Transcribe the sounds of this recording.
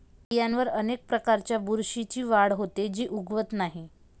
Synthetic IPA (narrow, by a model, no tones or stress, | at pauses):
ijanʋəɾənek̚pɾəkaɾt͡ɕjabuɾɕit͡ɕiːʋaɽɦot̪ed͡ʑiːʔuɡʋət̪naɦi